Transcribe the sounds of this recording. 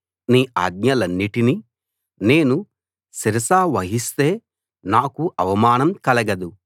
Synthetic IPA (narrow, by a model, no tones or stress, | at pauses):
niːʔa̰ːɡ̚ɲɐlɐnːiʈini | ne̞ːnu | siɾɐsaːʋɐɦist̪e̞ː | naːkuʔɐʋɐmaːnɐmkɐlɐɡɐd̪u